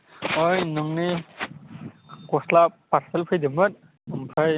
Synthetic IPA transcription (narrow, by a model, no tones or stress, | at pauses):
ojnɯŋni | kɔslapaɾselpʰɯjdimɯt̪̚ | ɯmpʰɯj